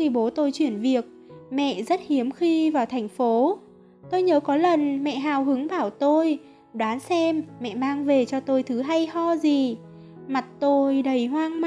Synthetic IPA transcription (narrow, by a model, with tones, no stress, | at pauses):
xi˧ɓo˨˦t̪o˧jt͡ɕwi˧˩ənvi˨˩ək̚mɛ̰˧˨ʔzə˦˥t̚hi˨˦əmxi˧vaː˨˩wt̪ʰjŋ̟fo˨˦ | t̪o˧jɲəː˨˦kɔ˨˦lə˨˩nmɛ̰˧˨ɦaː˨˩wɦɨ˨˦ŋɓaː˧˩wt̪o˧j | ɗwaː˨˦nsɛ˧mːɛ̰˧˨maː˧ŋve˨˩t͡ɕɔ˧t̪o˧jt̪ʰɨ˨˦ɦa˧jhɔ˧zi˨˩ | ma˨˩t̚t̪o˧jɗə˨˩jɦwaː˧ŋm˧